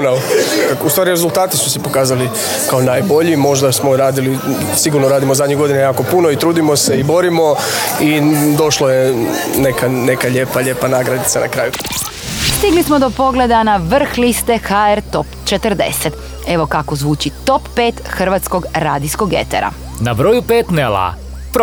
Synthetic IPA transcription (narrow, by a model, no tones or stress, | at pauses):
naust̪ʋaːɾiɾezulˠt̪aːt̪isu̥sɛpo̞kaːzali | kaonaːjbo̞ʎimo̞ʒd̪asmoɾaːd̪ili | siɡuɾnoɾaːd̪imozad̪ɲeɣɡo̞d̪inajaːko̞punoit̪ɾuːd̪imo̞seibo̞ɾimo̞id̪o̞ʃlojenekane̞kaʎe̞ːpaʎepanaːɡɾad̪it̪sanʔa̰kɾaːju | st̪iɡlismo̞d̪opo̞ɡle̞d̪anaʋr̩xlist̪e̞xaeɾt̪opt͡ʃet̪ər̩d̪e̞̰set̪ | e̞ʋo̞kako̞zʋuːt͡ʃit̪o̞pːeːt̪xr̩ʋat̪sko̞ɡɾaːd̪isko̞ɡjḛt̪ḛɾa̰ | nabɾojupet̪nela̰ | p